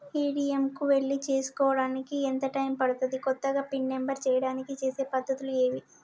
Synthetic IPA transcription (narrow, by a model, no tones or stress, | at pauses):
iːɽiemkuʋe̞ɭːit͡ʃeːsu̥kɔːʋɐɽaːnikient̪ɐʈɐjmpɐɽut̪und̪ikɔt̪ːɐɡaːpiɳːe̞mbɐɾt͡ʃɛːjɐɽaːnikit͡ʃe̞ːse̞ːpɐd̪ʱːɐt̪ulue̞ːʋi